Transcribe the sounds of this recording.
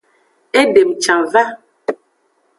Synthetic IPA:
e˦de˨mt͡ʃã˨va˦

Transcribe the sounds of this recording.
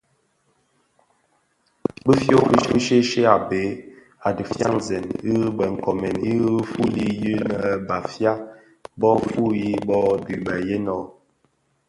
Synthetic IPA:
bə˦fjo˦bi˦ʃi˦ʃe˦ʃe˦a˨be˨˦ | a˨də˨fja̰˦ŋzɛ˨ni˦bə˨ŋ̩˨kɔ˨mɛ˨ni˦fu˦li˦ji˦nə˨ba˨fja˦ | bɔ˦fu˦ji˦bɔ˦bi˨bə˨je˦nɔ˨

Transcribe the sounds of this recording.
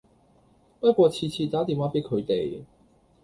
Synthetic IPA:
pɐ˥t̚kʷwɔː˧t͡sʰiː˧t͡sʰiː˧t̪aː˨˥t̪iː˨˩mwaː˨˥pe˨˥jkʰɵ˨˧ɥt̪e˨j

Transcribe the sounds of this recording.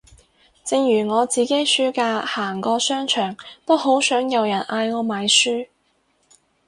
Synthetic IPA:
t͡sɪ˨˧ŋjyː˨˩ŋɔː˨˧t͡siː˨˧ke˨˥jsyː˥kaː˧haː˨˩ŋkɔː˧sœː˥ŋt͡ʃʰœː˨˩ŋt̪o˥wɦo˨˥wsœː˨˥ŋjɐ˨wjɐ˨˩nʔaː˧jŋɔː˨˧maː˨˧jsyː˥

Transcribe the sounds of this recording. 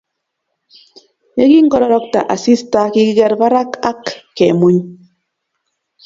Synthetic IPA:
je˦ɡi˦ŋ̩˦kɔ˦ɾɔ˦ɾɔ˦k̚ta̰˨ʔa˨si˦sta˦ki˦ɡe˦ɾba˦ɾa˦ka˦kːe˨mu˦ɲ

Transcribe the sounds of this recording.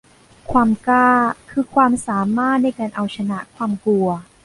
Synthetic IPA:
kʰwaː˧mkaː˥˩kʰɯː˧kʰwaː˧msaː˩˦maː˥˩t̪̚na˧˩jkaː˧nʔa˧wt͡ɕʰa˧na˦ʔkʰwaː˧mklu˧ɐ

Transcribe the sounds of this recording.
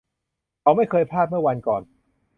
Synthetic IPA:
ka˧wma˥˩jkʰɤː˧jpʰaː˥˩t̪̚mɯ˥˩ɐwa˧nkɔː˨˩n

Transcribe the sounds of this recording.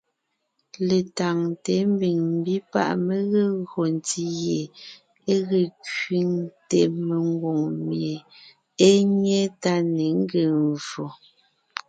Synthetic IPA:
le˨ta˨ŋte˨˦m̩˦bi˨ŋm̩˦˨bi˦pa̰˦ʔme˦ɣe˦ɣo˨n˨ti˦je˨ | e˦ɣe˨kɥi˦ŋte˨me˨ŋ˦ɡwo˨ŋmje˨ | e˦ɲe˦ta˦ne˨˦ŋ̩˦ɡe˨nvo˨

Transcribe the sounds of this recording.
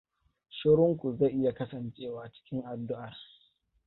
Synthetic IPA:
ʃʊ˦ɾʊ˦ŋkʷu˨ze˦˨ʔɪ˦ja˨kɐ˦sɐ˨nt͡ʃʼeː˦waː˨t͡ʃɪ̥˦kʲɪ˦ŋʔa˨dːʊ˦ʔa˨r

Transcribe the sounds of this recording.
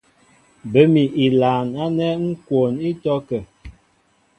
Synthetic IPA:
bə˦mi˨ʔi˨laː˨na˦nɛ˦ŋ̩˦kwo˨ni˦tɔ˦kə˨

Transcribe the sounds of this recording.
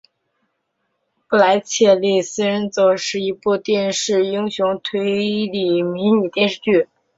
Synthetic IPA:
pu˥˩la˧˥ɪt͡ɕʰjɛ˥˩li˥˩sɹ̩˥ɻə˧˥nt͡sɔ˧˩ʂɻ̩˥˩i˧˥pu˥˧t̪jɛ˥˧nʂɻ̩˥˩i˥ŋɕjʊ˧˥ŋt̪ʰwe˧˥ɪli˨˩mi˧˥nni˨˩t̪jɛ˥˧nʂɻ̩˥˧t͡ɕy˥˩

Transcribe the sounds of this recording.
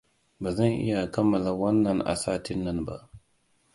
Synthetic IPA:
ba˨zɐ˦nʔɪ̰˦ja˨kɐ˦mːɐ˨la˨wɐ˦nːɐ˨nʔa̰˨saː˦ti˦nːɐ˦nba̰˦ʔ

